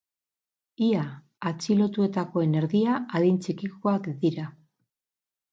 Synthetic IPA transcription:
iaː | t͡silo̞t̪ue̞t̪ako̞e̞ne̞ɾðiaaðint͡sikiko̞akd̪iɾa

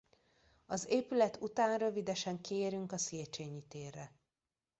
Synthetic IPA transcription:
ɒzeːpylɛt̪ʰut̪aːnrø̞vid̪ɛʃɛŋkeːɾyŋkɒseːt͡ʃeːɲit̪eːrːɛ

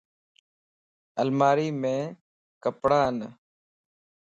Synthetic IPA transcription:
əlmaːɾiːmẽː | kəpɽaːn

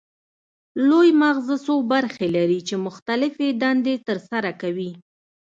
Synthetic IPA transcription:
lojmaɣzəsobaɾxelaɾit͡ʃemʊxt̪alɪfed̪ɑnd̪et̪əɾsaɾakawi

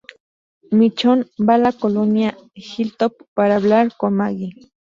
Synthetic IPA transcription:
mit͡ʃonbalakolonja | xilt̪op̚ːaɾablaɾkomaɡi

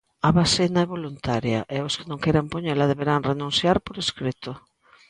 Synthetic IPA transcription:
aβasenaɛβolunt̪aɾja̰ʔɛoskɪnõŋkejɾampoɲelaðeβeɾaŋrenũnθjaɾpoɾeskɾet̪ʊ

